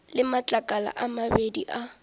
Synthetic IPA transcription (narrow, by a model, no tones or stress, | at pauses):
lɪmat͡ɬʼakʼala̰ʔamabediʔa